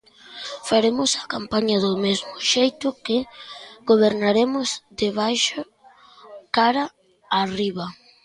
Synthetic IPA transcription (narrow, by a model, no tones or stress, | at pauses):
faɾemʊsakampaɲɐðʊmezmʊʃejt̪ʊkɪɡoβ̞eɾnaɾemʊzd̪ɪβ̞ajʃʊ | kaɾɐ | ariβɐ